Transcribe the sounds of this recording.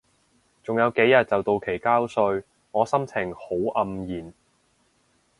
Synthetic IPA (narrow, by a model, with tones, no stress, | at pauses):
t͡sʊ˨ŋjɐ˨˧wke˨˥jɐ˨t̚t͡sɐ˨wt̪o˨˧wkʰe˨˩jkaː˥wsɵ˧ɥ | ŋɔː˨˧sɐ˥mt͡sʰɪ˨˩ŋho˨˥wʔɐ˧mjiː˨˩n